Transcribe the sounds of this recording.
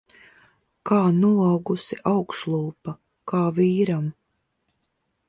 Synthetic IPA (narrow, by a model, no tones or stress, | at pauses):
kaːnuawɡusiʔawkʃlˠuːpa | kaːviːɾam